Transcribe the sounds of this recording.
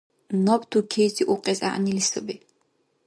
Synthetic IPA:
nɔbt̪ʰukʰɛːziʔuqʼɛzʼa̰ʔnilisəbɛ

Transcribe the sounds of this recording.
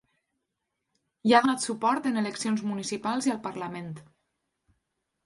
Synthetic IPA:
jaðonat̪supɔɾt̪əneləksionzmunisipalˠziəlˠpəɾləment̪

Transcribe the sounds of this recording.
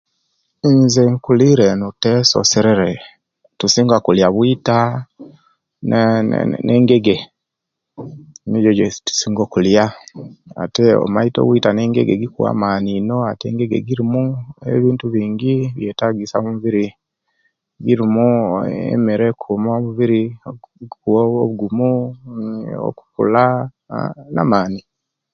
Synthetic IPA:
izeŋkuliɾenuteso̰seɾeɾe | tusiŋɡakuljaβwita | n̰ | nʔeːŋɡeɡe | niɟod͡ʒtu̥siːŋɡokulja | a̰teo̰maito̰βwitaneːŋɡḛɡḛɡikua̰maninoatḛːŋɡeɡḛɡiɾimuḛβiːntuβiːŋɡiβjetaɡisaomuβiɾi | ɡiɾimuḛmeɾekʰumoβuβiɾi | kuooβuɡumu | o̰ku̥kṵla̰ | na̰maːni

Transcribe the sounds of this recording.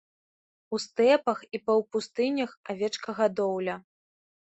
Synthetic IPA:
ust̪ɛpɐxipɐwpust̪ɨnʲɐxavʲɛt͡ʂkɐɣad̪ɔwlʲɐ

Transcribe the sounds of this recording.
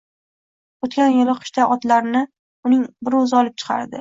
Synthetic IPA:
ot̪kʲʰanjɪlɪqʰʊ̥ʃt̪aʔɒt̪laɾɪnɪ | ʊnɪŋbɪɾozɪɒlˠɪp̚t͡ʃʰɨ̥qʰɑ̰ɾd̪ɪ

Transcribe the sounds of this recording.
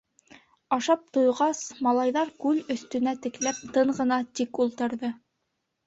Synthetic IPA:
ɑʃɑp̚t̪ŏjʁɑsmɑlˠɑjðɑɾkʉlɵ̆θt̪ɵ̆næt̪ɘ̆klæp̚t̪ɤɴɢɤ̆nɑt̪ikulˠt̪ɤ̆ɾðɤ

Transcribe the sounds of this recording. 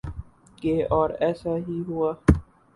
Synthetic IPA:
keɔːɾɛːsaɦiɦuaː

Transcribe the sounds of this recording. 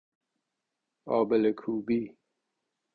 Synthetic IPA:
ɔ̰ːbelekʰuːbiː

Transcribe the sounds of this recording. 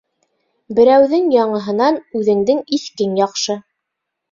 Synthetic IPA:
bɘ̆ɾæwðɘŋjɑɴɤ̆ɦɤ̆nɑnʉðɘ̆ŋd̪ɘŋiθkɘŋjɑqʃɤ

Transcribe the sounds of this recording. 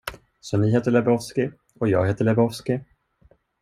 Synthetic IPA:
sɔnɪɦeːt̪əɭɛbɾɔfskɪ | ɔjɑːɡheːt̪əɭɛbɾɔfskɪ

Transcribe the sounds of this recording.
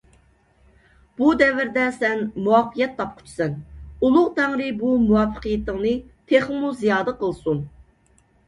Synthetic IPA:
b̥ud̪ɛvɪɾd̪ɛsɛnmuɑqʰːijɛt̪ʰːɑp̚qʰʊ̥t͡ʃʰi̥sɛnulˠʊʁt̪æŋɾɪbumuwɑfːə̥qijit̪ɪŋnɨt̪ʰeχmuzijɑːd̪əqəlˠsun

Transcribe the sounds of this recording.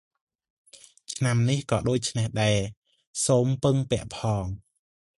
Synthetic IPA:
t͡ɕʰnamnihkɑːɗoːc̚t͡ɕʰnehɗaɛ | soːmpɨŋpɛ̆əʔpʰɑːŋ

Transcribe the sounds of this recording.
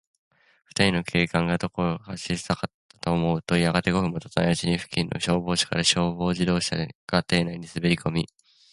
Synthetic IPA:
ɸɯ̟̥t̪aɾʲino̞kʰe̞ːkãŋɡad̪o̞ko̞ɾhaɕisi̥t̪akat̪ːḁt̪oːmo̞ɯ̟t̪o̞iaɡat̪e̞ɡo̞ɸɯ̟mːot̪ḁt̪ajaʑiɲ̟iɸɯ̟̥kʲĩnːʔo̰ɕo̞ːbo̞ːɕḁka̰ɾaɕo̞ːbo̞ːʑid̪o̞ːɕa̰ɡ̥at̪e̞ːnaiɲ̟isɨbe̞ɾʲiko̞mʲi

